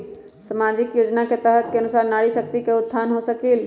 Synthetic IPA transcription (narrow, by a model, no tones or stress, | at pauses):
səmad͡ʒɪkjoːd͡ʒnaket̪əɦət̪keənʊsaːɾnaɽisək̚t̪ikeʊt̪̚ːʰanɦosəkil